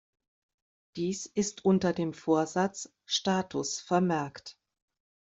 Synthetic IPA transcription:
d̥iːsɪstʔʊntɐdeːmfoːɐzat͡s | ʃtaːtʰʊsfɛɐmɛɐkt

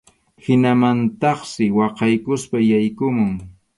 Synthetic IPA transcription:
hɪnamant̪ɑχsɪwɑqɑjkʊspajajkʊmʊŋ

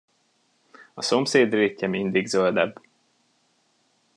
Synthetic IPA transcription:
ɒso̞mseːd̪reːcːɛmind̪iɡzøld̪ɛbː

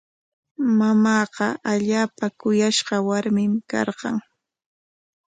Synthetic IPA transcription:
mamɑːqɑʔaʎaːpakʊjaʃɢɑwaɾmɪmkɑ̰ɾqɑ̰ŋ

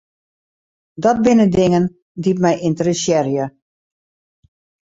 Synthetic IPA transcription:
dɔt̚bɪnədɪŋən | dip̚mɛjʔɪntərəsjɛrjə

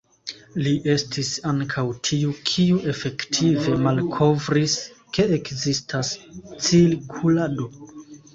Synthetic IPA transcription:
liʔe̞stisaŋkʰawtʰiukʰiuʔe̞fe̞ktʰive̞malkʰo̞vɾiske̞ekzistʰast͡silkʰulado̞

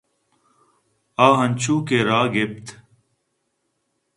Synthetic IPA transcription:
aːɦənʲt͡ʃʰuːkeːɾaːɡɪpt̪

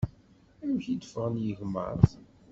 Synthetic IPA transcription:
æwçid̪əfəʁənjəʝmə̰ɾˤ

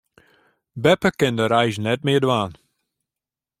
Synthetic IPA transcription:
bɛpəkɪndəɾɛjʒnɛt̚mɪːdwaːn

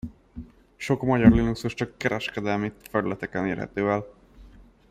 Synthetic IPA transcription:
ʃo̞kmɒɟɒrlinuksuʃt͡ʃɒkːɛɾɛʃkɛd̪ɛlmit̪fɛɾylɛt̪ɛkɛneːrɦɛ̰t̪øːɛl

